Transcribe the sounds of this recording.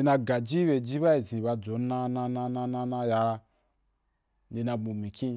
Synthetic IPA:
i˧na˧ɡa˨d͡ʒi˦we˧d͡ʒi˦ba˦i˨zĩ˨ba˧d͡zo˨˦nã˧nã˧nã˧nã˧nã˧nã˧ja˧ | ndi˧na˧ɡ͡bu˨mĩ˨kʲĩ˦

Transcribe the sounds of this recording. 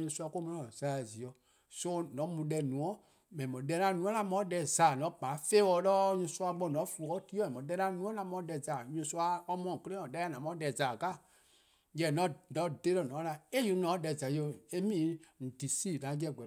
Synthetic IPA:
ɲũ˧˦su˧a˧ko˦mɔ̃˧˦ã˨z̥a˨˦˨zi˨ɔ˨ | so˦nɔ̃˨˦mũ˧˦dɛ˧˨nũ˨ɔ̃˦ | mɛ̃˨mɔ̃˨˦ɛ˧˦nã˧˦nũ˨˦ɔ̃˦lã˧˦mɔ̃˧˦dɛ˧˨zaː˨nɔ̃˨˦pãː˨˦feː˦wɔ˧˨˦lɔ˦ɲũ˧su˦˧a˧ɡ͡bɔ˧˨nɔ̃˨˦fu˧˨ɔ˦ti˦ɔ˦mɛ̃˨ɔ̃˨˦ɛ˧˦nã˧˦nũ˦ɔ̃˦ã˧˦mɔ̃˧˦dɛ˧˨za˨ɲũ˧˦su˦a˧ɔ˧˦mɔ̃˧˨kə˦lẽ˦ɔ̃˨dɛ˧˦a˦˨nã˨mɔ̃˨˦dɛ˨zaː˨ka˦˨ | jɛ˨nɔ̃˨˦nɔ̃˨˦˨de˦ɾɔ˨nɔ̃ː˨˦la˧e˦ju˧˦nɔ̃ː˨˦dɛ˧˨za˨jo˧˨e˦mĩː˦n̩˨di˨siː˦˨nã˨˦d͡ʒɛ˧˨ɡ͡bɛ˨

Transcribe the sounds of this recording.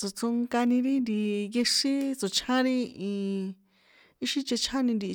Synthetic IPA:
t͡so˨t͡so˧ŋka˧nĩ˧ɾi˦nd̪i˧je˧ʂi˦t͡so˨t͡ʃʰã˦ɾi˦ĩ˧ | i˦ʃi˧t͡ʃe˧t͡ʃʰã˦nĩ˧nd̪i˧

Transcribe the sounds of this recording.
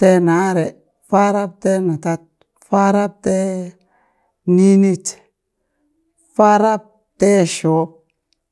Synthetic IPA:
te˦na˨˦ɾe˨ | fa˦ɾa˦p̚te˦na˨t̪a˦t̪̚ | fa˦ɾa˦p̚te˦ | ni˦ni˦t͡ʃ | fa˦ɾa˦p̚ | te˦ʃo˨˦p̚

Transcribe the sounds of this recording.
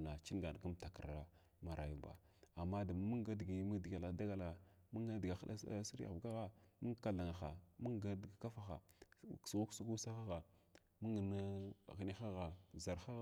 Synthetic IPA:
na˨t͡ʃi˦n˦ɡa˨n˨ɡu˦mta˨kə˨ɾa˦ | ma˨ɾa̰˨ju˦ba̰˨ | a˨mːa˦da˨mu˦ŋɡa˦dɡi˨mə˦dɡa˨la˨da˦ɡa˦la˨mu˦ŋɡa˦dɡa˨xa˦ɗa̰˦ssi˦ɾa̰˨ɡa˦ɣa˦mu˦ŋ˦ka˦ɮa˨ŋa˨xa˨mu˦ŋɡa˦dɡa˨ka˦fa˦xa̰˨sɣu˦ksu˦ɡu˦sa˦xa˦ɣa˨ | mu˦ŋə˨na˦˨ɣi˨ni˦xa˦ɣa˨za˨ɾxa˦

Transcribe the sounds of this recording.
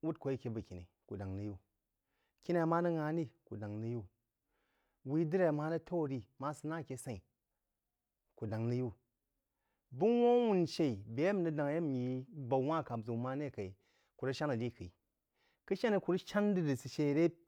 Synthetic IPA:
wu˦t̚ko˨ji˦kʲe˧bɐ˨kʲi˨nḭ˨ | ku˨da˨ŋni˨˧ju˦ | kʲi˦na˧˨ma˦nɐ˦ŋa˧˦ni˦ku˨da˨ŋni˧ju˦ | wi˦dɨ˦ɾa˨maː˦nɐ˦tʰo˦wɾi˦ma˦sɨ˧na˦˨kʲe˧˦sa˨i˨ | ku˨da˨ŋni˧ju˦ | bu˦wʷo˦wu˦˨n˨ʃe˧˨i˨be˨˦ja˦m˨nɨ˦da˨ŋ˨je˦m˨ji˧ba˨˦wʷa˦˨ka˨bzu˨˦ma˦ne˦˨ka˨i˨ | ku˨ɾɐ˦ʃa˦nɐ˨ɾi˦˨ki˨i˨ | kɨ˦ʃa˦ni˧ku˧ɾʃa˦n˦di˦ɾi˨si˨ʃe˦˨ɾe˦p̚

